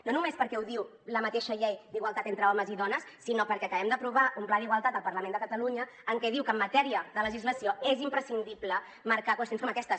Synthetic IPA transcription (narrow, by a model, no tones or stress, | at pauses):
nonumespəɾkɛwðiw | ləmət̪eʃəʎɛjd̪iɣwəlˠt̪at̪ent̪ɾəɔməziðɔnəsːinopəɾkɛəkəβɛmd̪əpɾuβ̞aʔumplaðiɣwəlˠt̪at̪əlˠpəɾləmend̪əkət̪əluɲəːŋkɛðiwkəmːət̪ɛɾiəðələʒizləsioezimpɾəsind̪iplə | məɾkakwəst̪jonskɔməkɛst̪ə